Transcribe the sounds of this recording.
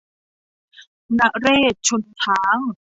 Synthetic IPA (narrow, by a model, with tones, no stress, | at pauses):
na˦˥ʔɾeː˥˩t̪̚t͡ɕʰo˧nt̪ʰaː˨˦˥ŋ